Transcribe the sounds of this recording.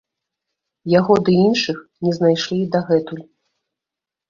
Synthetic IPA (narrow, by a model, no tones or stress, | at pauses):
jaɣɔd̪ɨinʂɨxnʲɛznajʂlʲid̪aɣɛt̪ulʲ